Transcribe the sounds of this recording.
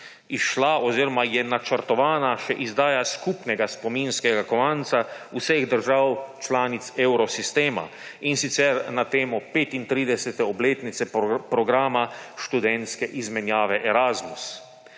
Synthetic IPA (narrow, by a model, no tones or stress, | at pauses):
iʃlaɔziːɾɔmajɛnat͡ʃəɾt̪ɔʋaːnaʃɛʔizd̪aːjaskupnɛɡaspɔminskɛɡakɔʋant̪sausɛɣd̪əɾʒawt͡ʃlaːnit̪sɛwɾɔsist̪eːma̰ | insit̪sɛɾnat̪eːmɔpeːt̪int̪ɾiːd̪ɛsɛt̪ɛɔbleːt̪nit̪sɛpɾɔɡɾaːmaʃt̪ud̪ɛnt̪skɛʔizmɛnjaːʋɛʔɛɾazmus